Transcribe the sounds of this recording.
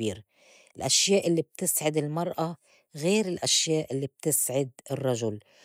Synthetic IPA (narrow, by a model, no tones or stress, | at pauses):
iːɾ | ɪlʔaʃjaːʔɪlːib̚t̪ɪsʕɪd̪ɪlmɑɾˤʔa | ɣeːɾɪlʔaʃjaːʔɪlːib̚t̪ɪsʕɪd̪̚ɪrˤːɑʒʊl